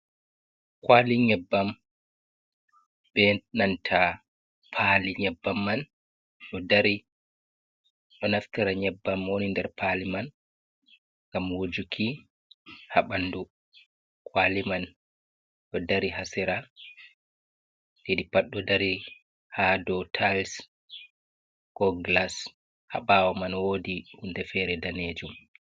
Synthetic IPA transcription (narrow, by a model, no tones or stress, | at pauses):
kwaliɲɛbːam | bɛnantʰa | pʰaliɲɛbːamːan | ɗɔdaɾi | ɗɔnafkiɾaɲɛbːamwonindɛɾpʰaliman | ŋɡamwod͡ʒukʰi | haɓandu | kwaliman | ɗɔdaɾiɦasɛɾa | ledipaɗɔdaɾi | hadɔtʰals | kɔɡlas | haɓawɔmanwodihundɛfɛɾɛdaned͡ʒum